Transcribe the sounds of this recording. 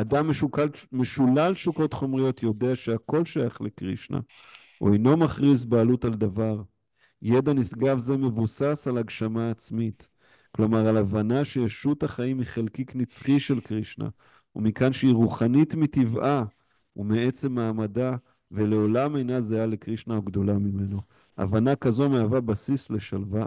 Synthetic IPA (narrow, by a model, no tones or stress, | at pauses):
ad̪ameukame̞ʃulalʃuko̞tχo̞mʁijo̞tjo̞de̞aʃeako̞lʃajaχlekʁḭʃna̰ | ṵejno̞maχʁis̬baːlutald̪avaʁ | jed̪anisɡavzeme̞vusasalaɡʃamaːt͡smit | klo̞maʁalavanaʃejeʃutaχaimiχelkiknit͡sχiʃe̞lkʁiʃna̰ | umikanʃeiʁuχanitmitivʔa | umee̞t͡se̞mːaːmada | ve̞le̞o̞lame̞jnazeale̞kʁiʃnaoɡd̪o̞lamime̞no̞ | ʔa̰vanakazo̞meavabasisle̞ʃalva